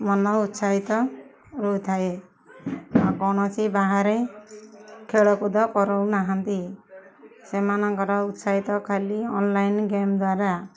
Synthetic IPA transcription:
mɔnɔut̪saɦit̪ɔ | ɾujt̪ʰae | ɔkɔɽ̃ɔt͡ʃʰibaɦaɾe | kʰeɭɔkud̪ɔpɔɾɔwnaɦant̪i | semanɔŋkɔɾɔut̪saɦit̪ɔkʰaliɔnlajnɡemd̪waɾa

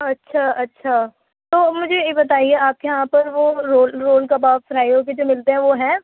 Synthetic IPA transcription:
ɐtːʃʰaʔɐtːʃʰaː | t̪oːmʊd͡ʒʱejebɐt̪aːieaːp̚jɐɦãpɐɾʋoɾoːlɾoːlkabaːʋfɾaːjok̬ed͡ʒoːmɪlt̪eɦɛ̃ʋoɦɛ̃ː

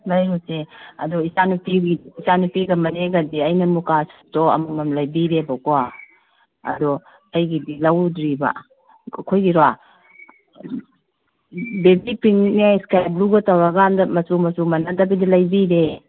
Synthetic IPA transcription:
lajɾuseɐ̰dɔisanupiɡidisanupiɡamɐneɡadiɐjnɐmukastɔɐ̰mumamlajbiɾebakɔa | ɐ̰dɔ | ajɡidilawdɾiba̰ | kʰojɡiɾɔa | bebipiŋniajskajbɾuɡɐtawaɡandamɐsumɐsumanadabidilajbiɾe

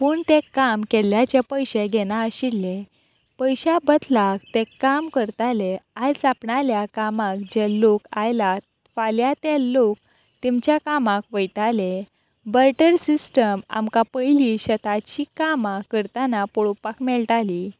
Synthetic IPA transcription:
puːɳt̪ekːamkɛljat͡ɕapəjɕeɡɛnaəɕiɾle | pəjɕabəd̪lak̚t̪ekːamkəɾt̪aleajd͡zapɳaljakamãkd͡ʑɛlːokajla | faljat̪elok̚ | t̪imt͡ɕjakamãk̚ʋəjt̪ale | bəɾʈəɾsisʈəma̰mkapəjliɕət̪at͡ɕikamakəɾt̪anapɔɭopakmɛɭʈali

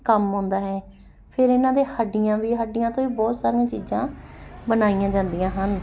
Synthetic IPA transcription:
kəmɦõːnd̪aːɦɛː | pʰɪɾɪnãːd̪eːhəɖijãːʋiːɦəɖijãːt̪õːʋiːbɔːt̪saːɾiãːt͡ʃiːzãːbənaːijãːd͡ʒãːnd̪ijãːɦən

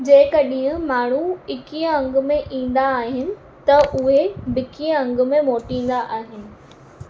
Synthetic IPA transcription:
d͡ʑeːɪkɐɗɪɦʊ̃maːɳ̤uɪkijə̃ɐ̃ŋɡ̆mẽʔĩːn̆d̪aːɦɪnɪ̆ | t̪ɐʔʊɦebɪkiə̃ɐ̃ŋɡ̆mẽmoːʈĩːn̆d̪aʔaːɦɪnɪ̆

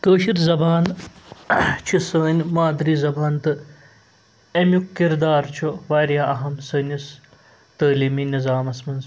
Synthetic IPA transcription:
kəːʃiɾzɐbaːn | t͡ʃʰisəːnʲmaːd̪ɾiːzɐbaːnt̪ɨ | ɐmjukːiɾd̪aːɾt͡ʃʰuʋɐːɾjaːɐɦɐmsəːnʲɐs | t̪əːliːminizaːmɐsmɐnz

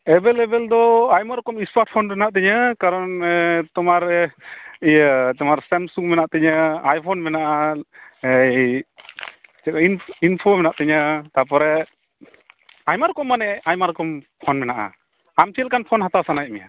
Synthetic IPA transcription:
ɛbɛlɛbɛld̪ɔajmaɾɔkɔmispaɾʈ̚pʰɔnɾɛnaʔt̪ɛɲəkaɾɔnɛt̪ɔmaɾ | ijət̪ɔmaɾsɛmsuŋmɛnaʔt̪ɛɲəajpʰɔnmɛnaʔa | t͡ʃɛkininpʰomɛnaʔt̪ɛɲət̪apɔɾɛ | ajmaɾkɔmːanɛajmaɾkɔmpʰɔnmɛnaʔa̰ | amt͡ʃɛlkanpʰɔnhat̪awsanajmɛja̰

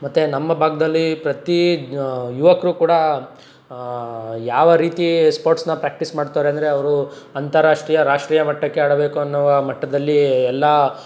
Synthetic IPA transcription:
mɐt̪ːenɐmːɐbʱaːɡɐd̪ɐlːipɾɐt̪i | juʋɐkɾuːkuːɽɐ | jaːʋɐɾiːt̪ispoːɾʈsnɐpɾaːk̚ʈismaːɽt̪aːɾeɐnd̪ɐɾe̞ɐʋɐɾuɐnt̪ɐɾaːʂʈɾiːjɐɾaːʂʈɾiːjɐmɐʈːɐkːeaːɽɐbe̞ːkuɐnːɐʋɐmɐʈːɐd̪ɐlːiɛlːɐ

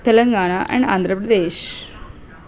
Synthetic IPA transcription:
t̪ɛlɐŋɡaːɳaʔɛ̰̃ɳɖa̰ːnd̪ʱɾəpɾɐd̪eːʃ

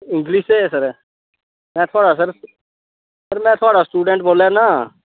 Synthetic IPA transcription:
ɪ̃ŋɡlɪʃɛːsəɾ | mɛ̃ːt̪ʰoaːɽaːs̬əɾ | səɾmɛ̃ːt̪ʰʊaːɽaːsʈuːɖɛ̃ːɳʈ̚boːlaːnaː

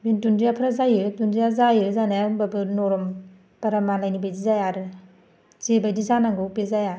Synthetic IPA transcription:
bintundijapʰɾazajiɾtundɾijazajiɾzanababɯnɔɾɔm | paɾamanlajnibajdizajaɾɯ | zebajdizanaŋɡɯupezajaɾ

